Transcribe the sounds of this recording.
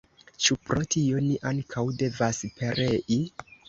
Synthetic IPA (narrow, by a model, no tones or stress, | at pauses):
t͡ʃupɾo̞tʰio̞niʔaŋkʰawde̞vaspʰe̞ɾʔeʔi